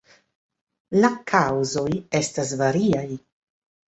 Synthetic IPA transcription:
lakʰawzo̞je̞stas̬vaɾiaj

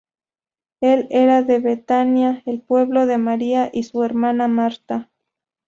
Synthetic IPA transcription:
e̞le̞ɾaðe̞βet̪anjaelpwe̞βloðemaɾiaʔisue̞ɾmanamaɾt̪a

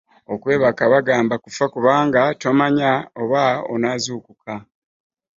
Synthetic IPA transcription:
o̞kwe̞ːβakaβaɡaːmbakufakuβaːŋɡato̞maɲaoβao̰naːzuːkukʰa

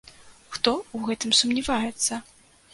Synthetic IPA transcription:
xt̪ɔuwɣɛt̪ɨmsumnʲivajɛt̪sːɐ

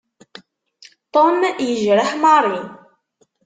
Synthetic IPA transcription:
t̪ˤomjəʒɾəħmɑɾˤin

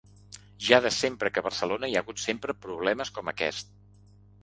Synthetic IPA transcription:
ʒaðəsempɾəkəβərsəlonəiaɣut̪sempɾəpɾuβ̞lɛməskɔməkɛ̰st̪̚

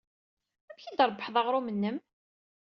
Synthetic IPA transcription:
æmçid̪əɾˤbːəħðˤɑʁɾˤumənːəm

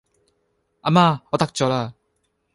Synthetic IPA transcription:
amaɔt̪ak̚t͡ʃɔla

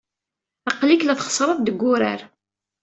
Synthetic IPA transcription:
ɑqliklæθχə̥sˤɾˤɑðd̪əɡːʊɾa̰ɾ

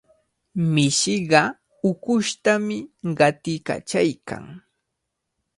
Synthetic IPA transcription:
mɪʃɪɢɑ | ʊkʊʃt̪amɪɢɑt̪ɪka̰t͡ʃajkʰa̰ŋ

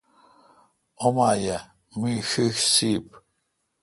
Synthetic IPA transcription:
omaːjɐ | miːxixsiːp̚

